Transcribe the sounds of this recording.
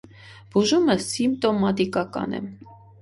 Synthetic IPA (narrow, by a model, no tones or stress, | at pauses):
b̥uʒuməsimp̚t̪ɔmɑt̪ikɑkɑ̰nɛ̰